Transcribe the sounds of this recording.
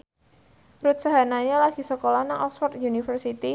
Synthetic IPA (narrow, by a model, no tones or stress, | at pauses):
ɾut̪̚saɦanaɲalaɡ̥i̤səkolɔhnaŋʔɔksfɔrt̪̚junifərsit̪i